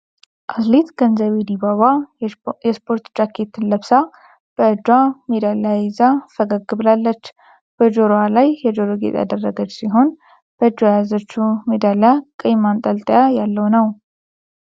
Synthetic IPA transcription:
ʔaslit̪ɡ̥ənzəβed̪ibaβajɛspʰo̞ɾt̪d͡ʒakʰːe̞t̪ɨnləβsa | b̥əɨd͡ʒamed̪aljajezafəɡaɡːɨβlalːət͡ʃː | b̥əd͡ʒoɾoalajːɛd͡ʒoɾoɡḛt̪ʼa̰d̪ərːəɡəd͡ʒsiɦo̞n | b̥əɨd͡ʒajajazot͡ʃːumed̪aljakʼɨjmant̪ʼəlt̪ʼəjajalːəwnəw

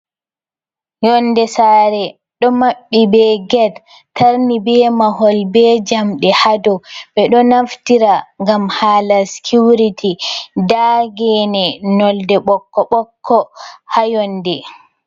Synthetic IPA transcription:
jɔndɛsaːɾɛ | ɗɔmaɓːibɛɡɛd | taɾnibɛmaɦɔlbɛd͡ʒamɗɛhadɔɓɛɗɔnaftiɾaŋɡamhaːlasi̥kʰuɾitʰidaɡɛnɛnɔldɛɓɔkːɔɓɔkʰːɔhajɔndɛ

